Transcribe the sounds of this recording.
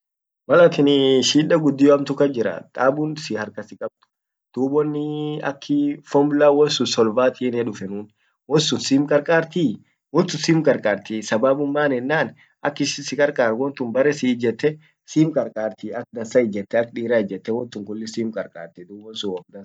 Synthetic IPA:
wɐlɐt̪ɪnɪʃiːᶑɐɡʊd̪ːɪjɔɐmt̪ʊkɐd͡ʒɪɾɐ̰t̪ʼaːbʊnsɪhɐɾkɐsɪkʼɐb̚t̪ʊ̥ | d̪̥uːbɔnːɪɐ̰kʰːɪfɔmblaːwɔnsʊnsɔlvaːt̪ʰinɛᶑʊfɛnuːn | wɔnsʊnsiːmkʼɐɾkʼaːɾt̪iː | wɔnt̪ːʊsiːmkʼɐɾkʼaːɾt̪isɐbaːbʊmːaːnɛnːaːn | ʔɐkːɪsɪsɪkʼɐɾkʼaːɾwɔnt̪ʊmbɐɾɛsɪd͡ʒɛt̪ːɛ | siːmkʼɐɾkʼaːɾt̪iɐk̚d̪ɐnsɐɪd͡ʒɛt̪ːɛɐkːᶑiːɾaːd͡ʒɛt̪ːɛwɔnt̪ʊŋkʊlːɪsiːmkʼɐɾkʼa̰ːɾt̪ɛd̪uːbɔnsʊwɔk̚d̪ɐ

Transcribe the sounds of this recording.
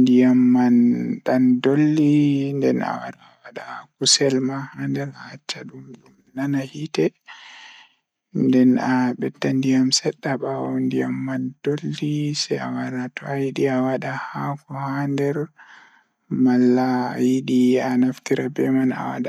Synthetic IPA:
ndijamːanɗandolːindɛna̰wa̰ɾawaɗakusɛlmahandɛɾaat͡ʃːaɗumɗumnanahitɛ | ndɛnaɓɛtːandijamsɛɗːaɓawandijamːand̥olːisɛa̰waɾatɔajiɗiawaɗahakɔhandɛɾ | malːajiɗianaftiɾabɛmana̰wa̰ɗa

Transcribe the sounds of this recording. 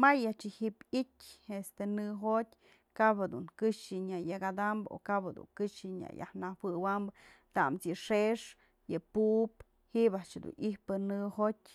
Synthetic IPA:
majaʔt͡ʃɨhiʔpitʲest̪enɨɦot̚ʲ | kaphad̪uŋkɨʂɨɲajakad̪ambɨo̰kaped̪ṵŋkɨʂɨɲa̰ja̰hnawɨwambɨ | t̪amt͡sjɨʂeʂ | jɨpuʔp̚ | hibaʔt͡ʃd̪ṵnʔihpɨnɨhot̚ʲ

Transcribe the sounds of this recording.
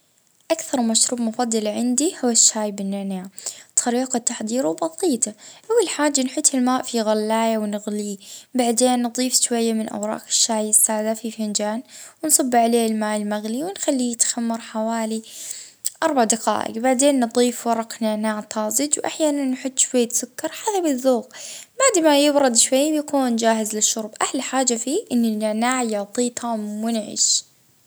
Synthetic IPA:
ʔakθɑɾˤmaʃɾuːbmʊfɑd̪ˤːɑlʕɪnd̪ihʊwːaʃːaːjbɪnːɪʕnaːʕt̪ʰːɑɾiːqɑt̪ːaħd̪ˤiːɾwbɑðˤiːt̪aʔawːalħaːd͡ʒːanħʊt̪ːɪlmaːʔfiɣalːaːjawnɪɣliːbaʕd̪eːnːd̪ˤiːfʃwajːamɪnʔa̰wɾˤɑ̰ːʔkɪ̥ʃːaːjɪsːaːʕd̪afifɪnd͡ʒaːnwɪnsˤɑbːʕaleːɪlmaːʔɪlmaɣliwɪnxalːijɪt̪xamːɑɾˤħawaːli | ʔɑɾˤbaʕd̪aqɑ̰ːʔɪ̰ɡbaʕd̪eːnːɨd̪ˤiːfwɑɾˤɑqnɪʕnaːʕt̪ˤʰɑːzˤɪd͡ʒ̪wʔaħjaːnanːħʊt̪ˤːʃwaejːt̪sʊkːɑɾˤħaːðabɪðːuːqbaʕd̪majɪbɾʊd̪ʃwajːbjakuːnd͡ʒaːɦɪzlɪʃːʊɾˤbʔahlħaːd͡ʒafiːʔɪnːɪnːɪʕnaːʕjat̪ˤiːt̪ʰˤɑmʊnʕɪ̰ʃ

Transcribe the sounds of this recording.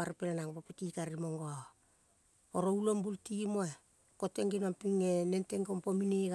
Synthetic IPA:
aɾipenanaŋpopitikaɾimoŋɡoa | oɾoulombultimoe | koteŋɡinompiŋenenteŋɡompomineɣ

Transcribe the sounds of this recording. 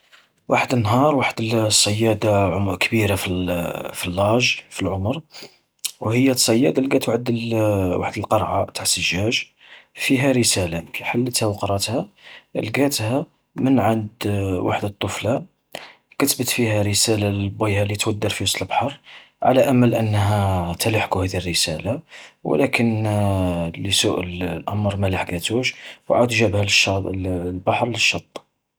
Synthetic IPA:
waħəd̪ənːɦɑɾˤwaħəd̪əlsˤːɑjːæd̪aʕmkbiɾafifilːɑʒfilʕʊmɾ | whəjːæsˤːɑjːæd̪alɡæt̪waħd̪waħəd̪əlqɑɾˤʕat̪aʕsəʒːæʒ | fiɦæɾəsælakħalːət̪hæwqɾˤɑt̪hælɡæt̪hæ | mənʕand̪wʔa̰ħd̪ət̪ˤːofla | kət̪bət̪fihæɾəsælalbːijhælit̪wəd̪ːəɾfiwɑsˤlbħɑɾˤ | ʕa̰læʔæməlʔənːɦæt̪ælaħkuhæd̪irːəsælaw̰lækən | ləsuʔəllʔɑ̰mɾˤmælaħɡæt̪uʃwʕad̪ʒæbhælʃɑlbɑħɾˤləʃːɑt̪ˤː

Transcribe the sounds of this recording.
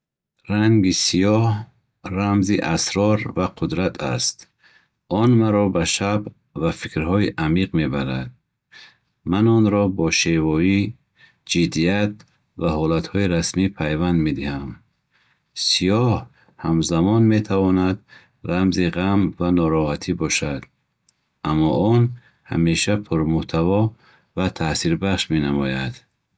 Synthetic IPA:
ɾaŋɡisijɔh | ramziʔasɾɔɾvaqʰud̪ɾat̪ʰa̰st̪ | ɔnmaɾɔbaʃab | vafikɾhɔiʔamiqme̞baɾad̪̚ | manɔnɾɔbɔʃevɔi | d͡ʒid̪iat̪̚ | vaɦɔlat̪hɔiɾasmipʰajvand̪med̪iham | sijɔh | hamzamɔnme̞t̪ʰavɔnad̪ | ɾamziʁamvanɔɾɔhat̪ʰibɔʃad̪ | amːɔʔɔn | ha̰meʃapʰuɾmuht̪ʰavɔ | vat̪ʰasiɾbaχʃmenamɔjad̪̥

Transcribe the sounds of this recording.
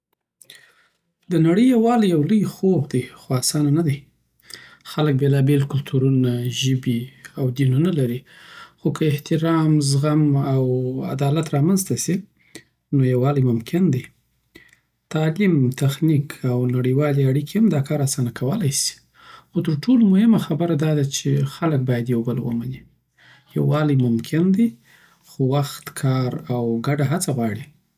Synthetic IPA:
d̪ənaɽəjjawɑljawləjxobd̪ixoasɑnanad̪aj | xalək̚belɑbelkʊlt̪ʰuɾunaʒəbiawd̪inunalaɾixokʰəɪht̪ɪɾɑmzɣamawa̰d̪ɑlat̪ɾɑmanzt̪asi | nojawɑlijmʊmkʰɪnd̪i | t̪ɑlimt̪axnikʰawnaɽəwɑleaɽikehamd̪ɑkɑɾasɑnakʰawəlajsi̥ | xot̪əɾʈʰolomʊhɪmaxabəɾad̪ɑd̪at͡ʃexalək̚bɑjad̪jawbəlwə̰mani | ja̰wɑləjmʊmkʰɪnd̪i | xowaxt̪kʰɑɾawɡaɖaɦat͡saɣwɑɽi

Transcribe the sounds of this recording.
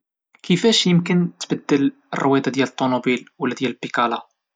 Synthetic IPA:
kʰəfæʃjəmkənt̪bəd̪ːəl | ərˤːʊwæd̪ad̪jælət̪ˤːomobilwəlːæd̪jælpːikɑla

